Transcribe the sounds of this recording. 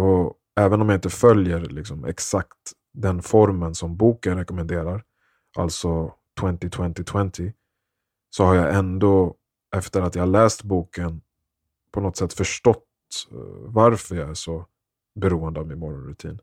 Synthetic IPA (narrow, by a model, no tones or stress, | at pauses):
ɔ | ɛːvənɔmjaɪnt̪əfœljəɾlɪksɔmɛ̰ksak̚t̪ | d̪ɛnfɔɾmənsɔmbuːkənɾɛkɔmɛnd̪eːɾaɾ | ʔa̰lt̪sɔ | t̪ʰwɛnt̪ɪt̪ʰwɛnt̪ɪt̪ʰwɛnt̪ʰɪ | sɔhaɾjaʔɛnd̪oː | ʔɛft̪əɾat̪jahalɛːst̪buːkən | pʰɔnɔt̪ːsɛt̪ːfœʂʈɔt̪ | vaɾfœɾjaæʂɔ | bɛɾuːənd̪əavmɪnmɔɾɔnɾɵt̪ʰḭːn